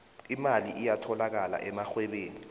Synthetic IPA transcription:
imaliʔijatʰɔlak̬ala̰ʔɛmaxwɛɓeːni

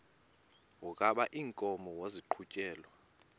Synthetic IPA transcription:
ukʼaɓaʔiːŋkʼɔmɔwoziǃʰucʼɛːlwa

